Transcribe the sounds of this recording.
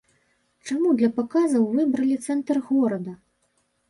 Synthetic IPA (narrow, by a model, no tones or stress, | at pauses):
t͡ʂamud̪lʲɐpakazɐwvɨbɾɐlʲit̪sɛnt̪rɣɔɾɐd̪ɐ